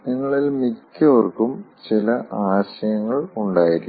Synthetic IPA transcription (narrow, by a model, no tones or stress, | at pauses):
niŋːɐɭilmikʲːɨʋɐrkːumt͡ɕilɐʔaːɕɐjɐŋːɐɭuɳɖaːjiɾikː